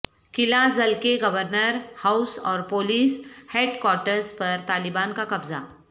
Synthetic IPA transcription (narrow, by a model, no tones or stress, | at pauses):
kɪlazɐlkeɡɐʋəɾnəɾhaʊsɔːɾpoːliːsheːɖkwɔːɾʈəɾzpɐɾt̪aːlɪbaːnkakɐbza̰